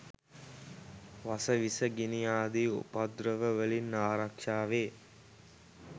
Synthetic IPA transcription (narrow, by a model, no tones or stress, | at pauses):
ʋasəʋisəɡinijaːd̪iṵpad̪ɾəʋəʋəlinːaːɾakʂaːʋeː